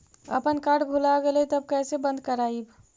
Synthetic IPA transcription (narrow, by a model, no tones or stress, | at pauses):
ə̰pənkaɖbʱulaɡelɛt̪əb̚kɛsebə̃nd̪kəɾaib